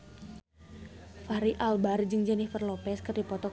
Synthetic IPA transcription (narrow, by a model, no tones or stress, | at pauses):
faɾiʔalbard͡ʒɨŋd͡ʒənɪhfərlopɛskərdipɔt̪ɔ